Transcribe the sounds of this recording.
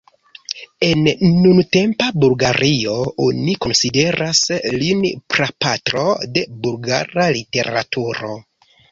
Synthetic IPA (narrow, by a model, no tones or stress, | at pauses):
e̞nːunte̞mpabulɡaɾio̞oniko̞nside̞ɾʔaslinpɾapatɾo̞de̞bulɡa̰ɾalite̞ɾa̰tuɾo̞̰